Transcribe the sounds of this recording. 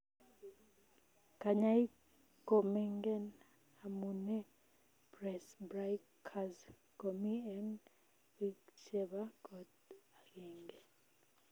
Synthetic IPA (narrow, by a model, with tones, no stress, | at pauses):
ka˨ɲai˦ | kɔ˨mɛŋɡɛ˦n | a˨munɛ˦ | b̥rɛ˨sbrajkʰaz | ko˨miɛn | i˦t͡ʃʰɛ˦ɓa˦ɡɔd | a˨kɛːŋɡɛ˨